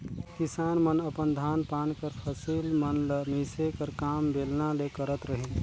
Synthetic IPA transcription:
kɪsaːnmənəpənd̪ʱaːnpaːnkəɾpʰəsiːlmənləmiːsekəɾkaːmbeːlnalekəɾət̪ɾəɦẽ

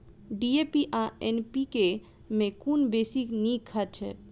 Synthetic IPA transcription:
ɖiepiʔaenpike | mẽkunbesiknikʰət͡ʃʰɛ̰

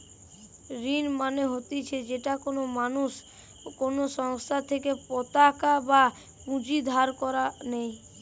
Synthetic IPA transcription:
ɾinmaneɦot̪it͡ɕʰed͡ʑeʈakonomanuʃ | konoʃɔŋst̪ʰat̪ʰekepɔt̪akaba | kũd͡ʑid̪ʱaɾkɔɾanej

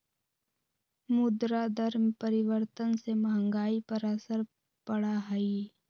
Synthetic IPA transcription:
mʊd̪ɾad̪əɾmpəɾɪʋəɾt̪ənseməɦə̃ŋɡaːipəɾasəɾ | pəɽaɦəi

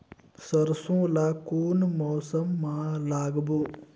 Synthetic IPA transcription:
sɐɾsũːlaːkuːnmoːsəmːãːlaːɡbuː

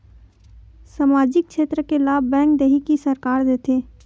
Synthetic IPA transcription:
saːmaːd͡ʒɪk̚kʃeːt̪ɾəkelaːbːɛ̃ːŋkd̪eɦikisəɾkaːɾd̪eːt̪ʰeː

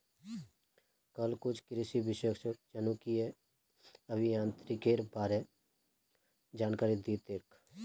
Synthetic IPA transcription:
kəlkʊt͡ʃʰkɾɪsibɪʃəkʃək̚t͡ʃənukie | əbʱijãːnt̪ɾikeɾbaːɾe | d͡ʒaːnkaːɾid̪it̪eɾkʰ

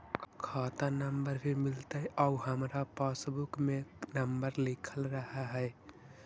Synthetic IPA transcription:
kʰɔt̪anəmbəɾbʱimilt̪əɔuɦəmɾapasbukmenəmbəɾlikʰəlɾəɦaɦɛɪ

